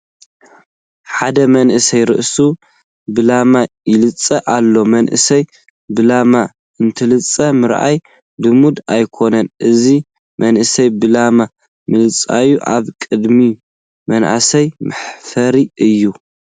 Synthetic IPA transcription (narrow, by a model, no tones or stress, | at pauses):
ħad̪ɐmɐnʔɨsɐjɾɨ̰ʔsu | bɨlama | jɪlɨt͡sʼːɐʔalːo̞mɐnʔɨ̰sɐj | bɨlama | ɨnt̪ʰɨlɨt͡sʼːɐmɨɾʔa̰j | bɨmud̪ajkʰo̞nɐnʔɨzi | mɐnʔɨsɐjbɨlama | mɨlɨt͡sʼa̰juʔaβkʼɨd̪mi | mɐnʔa̰sɐjmɨħfɐɾiʔɨjːu